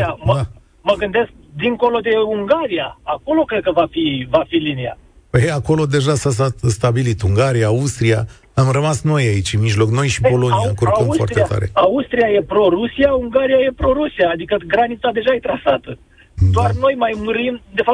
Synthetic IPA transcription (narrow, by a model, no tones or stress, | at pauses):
aməa | məɡɨnd̪e̞sk̚d̪iŋko̞lo̞d̪e̞uŋɡaɾiaako̞lo̞kɾe̞d̪̚kəvafivafilinia̰ | pəjeako̞lo̞d̪e̞ʒasasat̪st̪abilit̪uŋɡaɾijaaust̪ɾia | amrəmasno̞jait͡ʃʲɨnmiʒlo̞kno̞jʃipo̞lo̞niaŋkurofa̰t̪t̪et̪ʰa̰ɾḛaust̪ɾijaje̞pɾo̞ɾusiauŋɡaɾijaje̞pɾo̞ɾusiaːd̪ikəɡɾanit̪sad̪e̞ʒait̪ɾasat̪ə | d̪oarno̞jmajmɨɾimd̪e̞fa